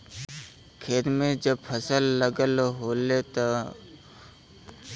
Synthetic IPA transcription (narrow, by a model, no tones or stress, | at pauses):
kʰeːt̪mẽd͡ʒəbpʰəsəlːəɡəlɦoːlet̪o